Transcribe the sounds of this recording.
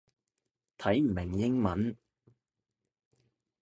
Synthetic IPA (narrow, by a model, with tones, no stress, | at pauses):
t̪ʰɐ˨˥jm̩˨˩mɪ˨˩ŋjɪ˥ŋmɐ˨˥n